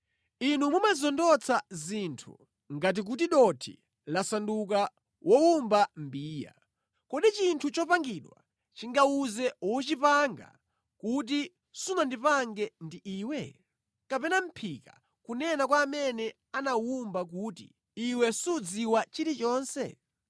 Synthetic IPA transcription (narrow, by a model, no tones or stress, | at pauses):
inumumazɔndɔt͡sʰazintʰṵ | ŋɡat̬ik̬ut̬iɗɔtʰḭ | lasanduka | wʔɔwumbam̩biːja̰ | kɔɗit͡ʃintʰut͡ʃɔpaŋɡiɗwa̰ | t͡ʃiŋɡauzɛwɔt͡ʃipaŋɡa̰ | kut̬i | sunandipaŋɡɛndiʔiːwɛ | kapɛnam̩pʰika̰ | kunɛnakwaːmɛnɛ | anawumbak̬uːtḭ | iwɛsud͡ziwat͡ʃiɾit͡ʃɔːnsɛ̰